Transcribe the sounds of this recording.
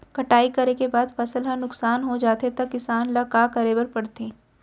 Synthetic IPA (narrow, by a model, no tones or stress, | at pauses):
kɐʈaːikɐɾekebaːd̪fʰɐsəlɦãnʊksaːnɦod͡ʒaːt̪et̪ɐkːɪsaːnlɐkaːkɐɾeːbəɾpɐɽt̪ẽː